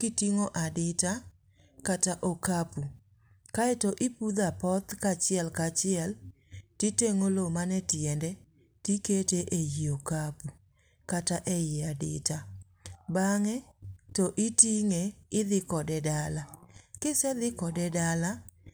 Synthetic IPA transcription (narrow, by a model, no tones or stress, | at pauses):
kɪtiŋoʔadɪta | kataʔokapu | kaɛtɔʔɪpud̪apɔt̪kat͡ʃɪɛlkat͡ʃɪɛl | titeŋolomanɛtjɛndɛ | tiketeʔejiokapu | kataʔɛjɪadɪ̰ta | baŋɛtɔʔɪtiŋeɪðɪkɔdɛdalakɪsɛðɪkɔdɛdala